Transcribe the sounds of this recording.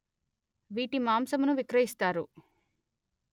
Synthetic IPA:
ʋiːʈimaːmsɐmunuʋikɾɐjist̪aːɾṵ

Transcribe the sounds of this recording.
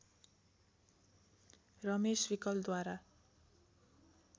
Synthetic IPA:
rʌmeswikʌld̪waɾa

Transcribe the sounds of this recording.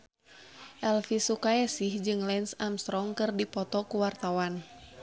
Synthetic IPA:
ʔɛlfisukaɛsihd͡ʒɨŋlɛnsamst̪ɾɔŋkɨrdipɔt̪ɔkuwart̪awan

